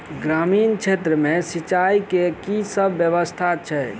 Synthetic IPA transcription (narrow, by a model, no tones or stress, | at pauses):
ɡɾaminkt͡ʃʰet̪ɾəmesit͡ʃaikekisəbʱːjəbəst̪ʰat͡ʃʰɛ